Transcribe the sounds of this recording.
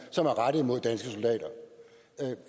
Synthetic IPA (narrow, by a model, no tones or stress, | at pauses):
sɒ̽mæɐʁɑɾ̥əð̩ˠmo̝ð̰ˠd̥ænsɡ̥əso̝ld̥ɛ̰ːdɐ